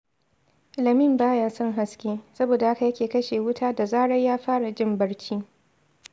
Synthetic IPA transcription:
lɐ˨mɪ˦˨mbaː˦jaː˦sɔ˦ŋɦa˨skʲeː˦sɐ˦boː˨da˨ha˦ka˨jɐ˦kʲeː˨kɐ˦ʃeː˨wʊ˦tʰaː˦da˨zaː˦ɽɐ˦jjaː˦ɸaː˦ɽa˨d͡ʒɪ˦mbɐ˦ɽt͡ʃiː˦

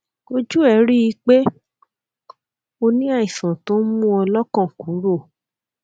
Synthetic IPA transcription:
o˦d͡ʒu˦ɛ˨˦ɾi˦i˧˦k͡pe˦ | o˧nĩ˦a˦˨ĩ˨sã˨to˦mũ˦ɔ˧lɔ˦kɔ̃˦˨ku˨˦ɾo˦˨

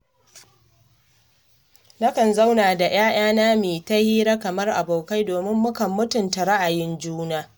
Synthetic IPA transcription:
nɐ˦kɐ˨nza˦wnaː˨da˨j̰aː˦j̰aː˦naː˦meː˨ta˦hiː˦ɾa˦kɐ˨mɐ˦rʔa̰˨boː˨ka˦jdoː˨mɪ˦mːʊ˦kɐ˨mːʊ˦tʊ˨nta˨ɾa˦ʔa˨jɪ˦nd͡ʒuː˦naː˦

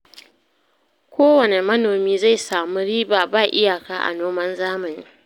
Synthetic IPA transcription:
kʷoː˦wɐ˨ne˨mɐ˦noː˨miː˦za˦˨jsaː˨mu˦ɾiː˦baː˨baː˦˨ʔɪ˦jaː˨kaː˦ʔa̰˨noː˦mɐ˦nzaː˦mɐ˨ni˦

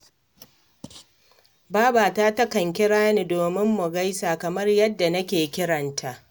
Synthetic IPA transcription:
baː˦baː˨taː˦tɐ˦kɐ˨ŋk̬ʲɪ˦ɽaː˦ni˨doː˨mɪ˦mːʊ˨ɡɐ˦jsaː˨kɐ˨mɐ˦rjɐ˦dːa˨nɐ˦kʲeː˨kʲɪ˦ɽɐ˨ntʰa˦ʔ

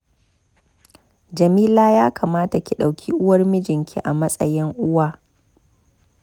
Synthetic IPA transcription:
d͡ʒɐ˨miː˦laː˦jaː˦kaː˨maː˦ta˨kʲi˨ɗa˨wkʲʰiː˦ʔʊ˦wɐ˦rmɪ˦d͡ʒɪ˨ŋkʲʰḭ˦ʔa˨mɐ˦sʼɐ̰˨jɪ˦ŋʔʊ˦waː˦

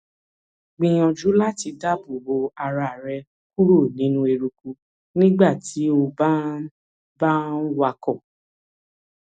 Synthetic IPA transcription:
ɡ͡bĩ˧j̃ɔ̃˧d͡ʒu˨˦la˦ti˧da˦bu˨ɾo˧a˧ɾa˨ɾɛ˧ | ku˦ɾo˦˨nĩ˨˦nũ˦e˧ɾu˧ku˧˦ | nĩ˦ɡ͡ba˦˨ti˨˦o˧ba˦ | ba˦n̩˦wa˧kɔ˦˨

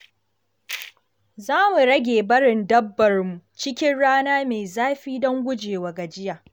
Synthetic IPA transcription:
zaː˦mu˨ɽɐ˦ɡʲeː˨bɐ˦ɽɪ˨ndɐ˦bːɐ˨rmu˨t͡ʃɪ˦kʲɪ˦nɽaː˦naː˦meː˨zaː˦ɸiː˦dɔ˦ŋɡʷʊ˦d͡ʒeː˨wa˨ɡa˨d͡ʒɪ˦jaː˨

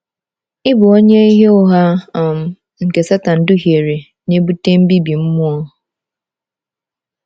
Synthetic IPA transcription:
ɪ˦bʊ˨o˦ɲe˦i˦ɦe˦ʊ˦ɦa˦˨m̩˨ | ŋ̩˨ke˨sa˦ta˨n̩˦dʊ˦ɦi˨e˨ɾe˨ | ne˦bu˦te˦m̩˦bi˦bi˨m̩˦mʊ˦ɔ˦

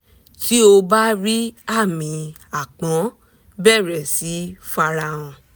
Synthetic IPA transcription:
tʰi˦o˧ba˦ɾi˦a˦˨mĩ˨˦ | a˦˨k͡pɔ̃˨˦ | bɛ˦˨ɾɛ˨si˨˦fa˧ɾa˧ɔ̃˧

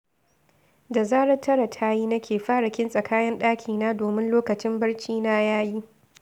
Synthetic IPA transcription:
da˨zaː˦ɽɐ˦tʰɐ˦ɾɐ˨tʰaː˦jiː˦nɐ˦kʲʰeː˨ɸaː˦ɽɐ˨kʲɪ˦nsʼɐ˨kaː˦jɐ˦nɗaː˦kʲʰiː˨naː˦doː˨mɪ˦nloː˦kɐ˨t͡ʃɪ˦mbɐ˦ɽt͡ʃiː˦naː˦jaː˦ji˦ʔ

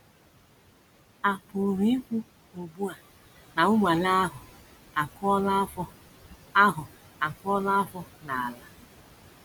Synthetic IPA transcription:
a˨pʊ˨ɾi˦kʷu˦ | o˨bu˦a˨ | na˨ʊ˦mʷa˨la˦ɦʊ˨ | a˨kɔ˦l | a˦ɦʊ˨ | a˨kɔ˦la˦fɔ˦na˨a˨la˦

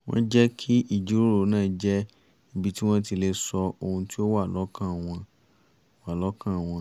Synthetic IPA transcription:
w̃ɔ̰̃˦d͡ʒɛ˦kʰi˦i˦˨d͡ʒu˨˦ɾo˦ɾo˨˦nãː˦˨d͡ʒɛ˦ | i˨˦bi˧ti˦w̃ɔ̃˦ti˧le˧sɔ˧o˧hũ˧ti˦o˦wa˦˨lɔ˨˦kã˦˨w̃ɔ̃˧ | wa˦˨lɔ˨˦kã˦˨w̃ɔ̃˧

